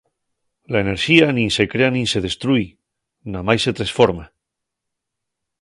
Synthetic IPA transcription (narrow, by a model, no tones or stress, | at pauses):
laene̞ɾʃianĩnse̞kɾeanĩnse̞ð̞e̞st̪ɾuj | namajset̪ɾasfoɾma